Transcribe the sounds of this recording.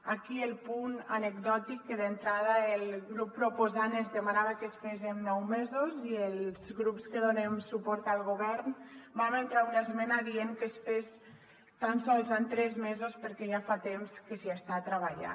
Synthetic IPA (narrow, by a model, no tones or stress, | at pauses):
akielˠpunanəɡd̪ɔt̪ikːeðent̪ɾaðəelɣɾupːɾopozanezðemanaβakesfezemnɔwmezozielzɣɾupskəðonemsupɔɾt̪alˠɣoβɛɾnbament̪ɾaunaezmɛnaðieŋkesfes | t̪ansɔlˠzant̪ɾɛzmezospəɾkɛʒafat̪emskəsiest̪at̪ɾəβ̞aʎa̰